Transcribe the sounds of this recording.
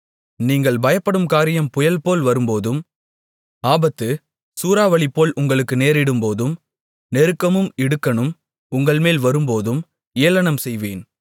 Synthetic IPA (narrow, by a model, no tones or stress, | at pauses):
niːŋɡɐɭbɐjɐpːɐɽɯmkaːɾɪjɐmpʊjɐlpoːlʋɐɾɯmpoːðɯm | aːbɐt̪ːɯ | suːɾaːʋɐɭɪpːoːlʔʊŋɡɐɭɯkːɯneːɾɪɽɯmpoːðɯm | nɛɾɯkːɐmɯmɪɽɯkːɐɳɯm | ʊŋɡɐɭmeːlʋɐɾɯmpoːðɯm | eːɐlɐɳɐmsɛjʋeːn